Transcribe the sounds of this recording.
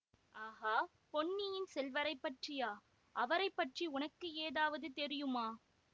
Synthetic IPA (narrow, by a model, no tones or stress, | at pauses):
aːɣaː | pɔɳːɪjɪnsɛlʋɐɾɐɪpːɐʈrijaː | ʔɐʋɐɾɐɪpːɐʈriʊnɐkːɯeːðaːʋɐðɯt̪ɛɾɪjɯmaː